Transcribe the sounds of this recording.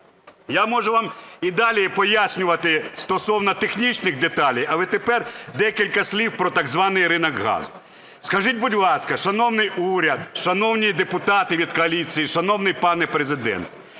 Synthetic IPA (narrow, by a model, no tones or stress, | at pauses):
jamɔʒʊʋɑmid̪ɑlʲipɔjasʲnʲʊʋɐt̪ɪst̪ɔsɔwnɐt̪exnʲit͡ʃnɪxd̪et̪ɑlʲijɐlˠɛt̪epɛrd̪ɛkʲilʲkɐsʲlʲiwpɾɔt̪ɐɡzʋɑnɪjɾɪnɐkɦɑ̰z | skɐʒit̚ʲbʊdʲlˠɑskɐʃɐnɔwnɪjuɾʲɐd̪ʃɐnɔwnʲid̪epʊt̪ɑt̪ɪʋʲid̪̚kɔɐlʲit͡sʲijiʃɐnɔwnɪjpɑnɛpɾezɪd̪ɛ̰nt̪